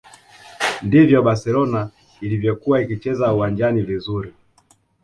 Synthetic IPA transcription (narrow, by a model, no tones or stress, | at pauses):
ndivjɔɓasɛlɔna | ilivjɔkuwaikit͡ʃɛzauwaɲd͡ʒanivizuɾi